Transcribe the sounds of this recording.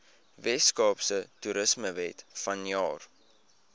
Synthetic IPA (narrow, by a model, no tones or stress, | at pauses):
vɛskɑːpsətuɾəsməvɛtfɐnjɑːr